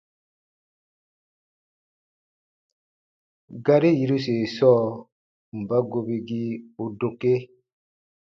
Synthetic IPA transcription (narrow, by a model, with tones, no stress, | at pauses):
ɡa˦ɾi˦ji˨ɾu˦se˨sɔː˦ | m̩˨ba˦ɡo˨bi˨ɡi˦u˨do˨ke˦